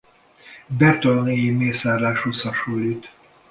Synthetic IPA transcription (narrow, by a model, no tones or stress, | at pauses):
bɛt̪olonejimeːsaːrlaːʃushɒʃuːlit̪